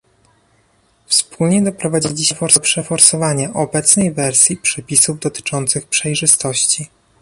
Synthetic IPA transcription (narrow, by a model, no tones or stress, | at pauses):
fspʰulɲɛd̪ɔpɾɔvad͡ʑilʲiɕɛfɔɾpʂɛfɔɾsɔvaɲaʔɔbɛt̪snɛjvɛɾsʲjipʂɛpʲisuvd̪ɔt̪ɘ̥t͡ʂɔnt̪sɘxpʂɛjʐɘst̪ɔɕt͡ɕi